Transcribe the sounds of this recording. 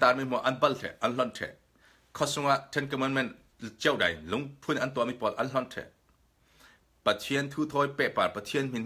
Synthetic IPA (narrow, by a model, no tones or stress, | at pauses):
t̪aːrmimuɐʔɐnbɐltʰɛ̰ʔʔɐnlɔntʰɛ̰ʔ | kʰɔsʊŋʔaʔtʰɛnkɔmɔnmɛn | t͡ɕiɛwdɐ̰jlʊŋpʰunʔɐnt̪uamipɔlʔɐnlɔntʰɛ̰ʔ | pɐt̪ʰiənt̪ʰuːt̪ʰɔjpɛʔparpɐt̪ʰiənm̥in